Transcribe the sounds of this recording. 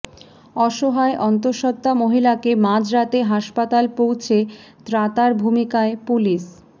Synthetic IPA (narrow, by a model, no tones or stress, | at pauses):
ɔʃoɦaeʔɔnt̪̬oɾʃɔt̪ːamoɦilakemãd͡ʑɾat̪eɦaʃpat̪alpowt͡ɕʰe | t̪ɾat̪aɾbʱumikaepuliʃ